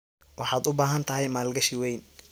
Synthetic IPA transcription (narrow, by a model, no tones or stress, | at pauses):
wɑħɑːd̪ʊbaːɦɐnt̪ʰɐɦɛjmaːlɡɐʃɪwɛjn